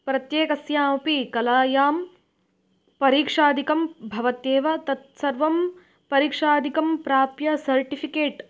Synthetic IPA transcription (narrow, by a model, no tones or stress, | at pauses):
pɾɐt̪jeːkɐsjaːmpikɐlaːjaːm | pɐɾiːkʂaːd̪ikɐmbʱɐʋɐt̪eːʋɐt̪ɐt̪sɐɾʋɐm | pɐɾiːkʂaːd̪ikɐmpɾaːpjɐsɐɾʈipʰikeːʈ